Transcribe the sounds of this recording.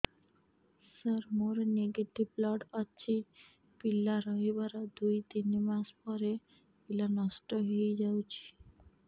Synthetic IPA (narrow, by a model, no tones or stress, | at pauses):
səɾmoɾneɡeʈiblɔʈaːt͡ʃʰi | pilːaɾɔɦibaɾad̪ujt̪inimaspɔɾe | pilanɔsʈɔɦejd͡ʒawt͡ʃʰi̥